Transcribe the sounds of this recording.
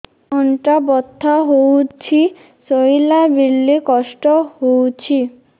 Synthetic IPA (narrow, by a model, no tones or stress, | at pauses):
ɔɳʈabɔt̪ʰːaɦowt͡ɕʰi | sojlabilːikɔsʈɔɦowt͡ɕʰi